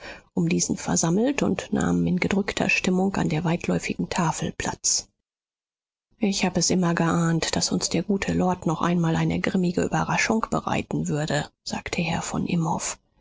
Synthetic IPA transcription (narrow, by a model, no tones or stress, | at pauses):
ʔʊmdiːzn̩fɛɐzaml̩tʊntna̰ːmmɪnɡədʁʏktʰɐ̰ʃtɪmʊŋka̰ndeːɐvaɪtʰlɔʏfɪɡŋ̩tʰaːfl̩pʰl̥a̰t͡s | ʔɪçhaːbəɛsʔɪmɐɡəʔaːntd̥asʊnsd̥eːɐɡuːtʰəlɔɐtnɔχʔa̰ɪnmaːlʔaɪnəɡʁɪmɪɡəʔy̰ːbɐʁaʃʊŋkb̥əʁa̰ɪtn̩vʏɐdəz̥a̰ːktʰəhɛːɐfɔ̰nʔɪmhɔ̰f